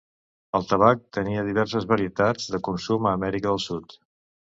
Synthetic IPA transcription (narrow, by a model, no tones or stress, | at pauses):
əlˠt̪əβ̞ak̚t̪əniəðiβɛɾsəzβəɾiət̪ad͡zðəkunsuməːmɛɾikəðəlˠsut̪